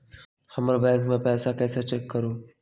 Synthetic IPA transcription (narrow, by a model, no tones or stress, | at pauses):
xɐməɾbɛ̃ːŋkmẽpɛːsakɛːsat͡ʃekːəɾoː